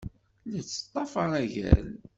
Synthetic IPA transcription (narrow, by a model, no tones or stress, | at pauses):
lit͡sːə̥t̪ˤːɑfɑɾæʝæ̰l